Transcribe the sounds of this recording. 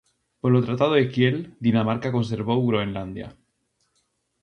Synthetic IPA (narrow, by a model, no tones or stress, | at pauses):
polot̪ɾat̪að̞oekjeld̪inamaɾkako̞ns̬e̞ɾβowɣɾoenland̪ja̰